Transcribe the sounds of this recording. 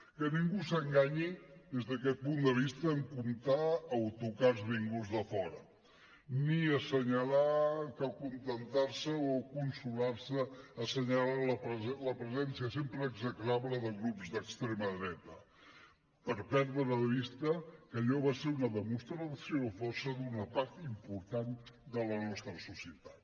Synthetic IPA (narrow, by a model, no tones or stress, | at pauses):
kəniŋɡusəŋɡaɲiðezðəkɛt̪̚pund̪əβist̪əːŋkunt̪aːwt̪ukaɾzβiŋɡuzðəfɔɾə | niəsəɲəlakalkunt̪ənt̪aɾsəokunsulaɾsəːsəɲalaləpləpɾəzɛnsiəsempɾəːɡzəklaβləðəɣɾupzðəkst̪ɾeməðɾɛt̪ə | pəɾpɛɾðɾəəβist̪əkəʎɔβaseɾunəðəmust̪ɾəsjofɔsəðunəpaɾt̪impuɾt̪and̪ələnɔst̪ɾəsusiət̪ḁt̪